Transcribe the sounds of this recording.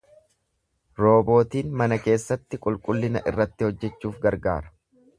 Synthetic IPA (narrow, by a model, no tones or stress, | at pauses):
ɾo̞ːbo̞ːt̪iːnmɐnɐke̞ːsːɐt̪ːɪkʼʊlkʼʊlːɪnɐʔɪ̰rːɐt̪ːɪhɔd͡ʒːɛt͡ʃːuːfɡɐɾɡa̰ːɾɐ̥